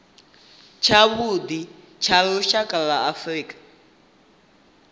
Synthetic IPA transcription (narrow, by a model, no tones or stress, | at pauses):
t͡ʃʰaβud̪i | t͡ʃʰalɔʃakʼalaafriːkʼḁ